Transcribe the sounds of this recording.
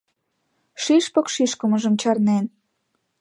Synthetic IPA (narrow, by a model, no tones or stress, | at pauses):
ʃiʃpɤ̆kʃiʃkə̆mə̆ʒə̆mt͡ɕɑrnen